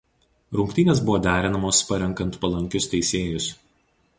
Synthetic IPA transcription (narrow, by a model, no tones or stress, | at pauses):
ɾʊŋkt̪ʲɪnʲeːsbʊʋoːd̪ʲæːɾʲɪnɐmoːspɐɾʲɛŋˑkɐnt̪pɐlˠɐŋʲkʲʊst̪ʲɛɪsʲeːjʊs